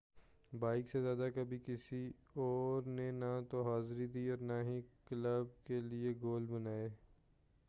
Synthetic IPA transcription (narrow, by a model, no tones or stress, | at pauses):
baːɪksezjaːd̪akɐbʱikɪsi | ɔːɾnenat̪oɦaːzɾid̪iːɔːɾnaɦikləb̚kelieɡoːlbənaːeː